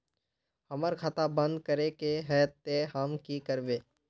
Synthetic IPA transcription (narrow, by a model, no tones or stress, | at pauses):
həməɾkʰaːt̪abə̃nd̪kəɾekeɦɛːt̪ehəmkikəɾbeː